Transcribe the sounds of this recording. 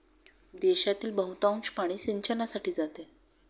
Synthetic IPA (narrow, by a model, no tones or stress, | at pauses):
d̪eɕat̪iːlbəɦut̪aũnt͡ɕpaɽ̃iːsiɲt͡ɕənasaʈʰiːd͡zat̪e